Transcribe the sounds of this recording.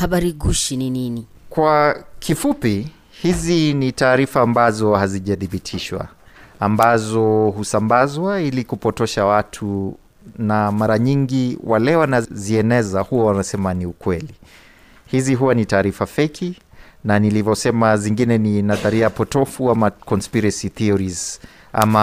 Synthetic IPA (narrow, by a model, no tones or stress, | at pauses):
haɓaɾiɡuʃininini | kwakʰifupi | hizinitaːɾifaːmbazɔhaziʄaθiɓitʰiʃwa̰ | ambazɔhusambazwailikupɔtɔʃawatʰu | namaɾaɲiŋɡiwalɛwanaziɛnɛzahuwawanasɛmaniukwɛli | hiziɦuwanitaːɾifafɛkʰinanilivɔsɛmaziŋɡinɛninaðaɾiapɔtɔfuamakɔnspiɾasiθiɔɾiz | a̰ma